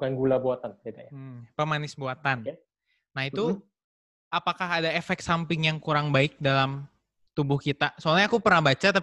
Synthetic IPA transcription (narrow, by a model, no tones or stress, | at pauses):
kanɡulabuat̪ant̪idajpəmanɪsbuat̪anː | ahit̪u | apakaɦadaefɛk̚sampɪŋjaŋkuɾaŋbaɪk̚dalam | t̪ubʊhkit̪asoalɲaːkupərnahbat͡ʃat̪a